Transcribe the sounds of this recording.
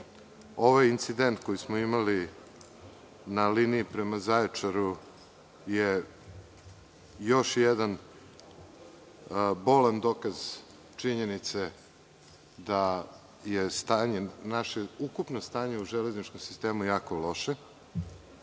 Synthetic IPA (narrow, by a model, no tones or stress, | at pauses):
o̞ʋajint̪sid̪e̞nt̪ko̞jismoimali | naliniːpɾe̞mazaet͡ʂaɾu | je | jo̞ʃjed̪an | bo̞land̪o̞kaz | t͡ʃiɲenit̪se | d̪a | jest̪aːɲenaʃeukupnost̪aːɲe̞uʒele̞znit͡ʃko̞msi̥st̪e̞ːmujaːkolo̞ʃe